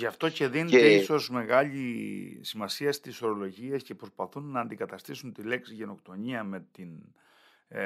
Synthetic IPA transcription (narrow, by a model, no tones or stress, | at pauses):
ʝɐft̪o̞ce̞ðinet̪eiso̞zme̞ɣɐʎisimɐsiɐst̪isoɾo̞lo̞ʝiesce̞pɾo̞spɐθunːɐːnd̪ikɐt̪ɐst̪isunt̪ile̞ksiʝe̞no̞kt̪o̞ɲiɐme̞t̪in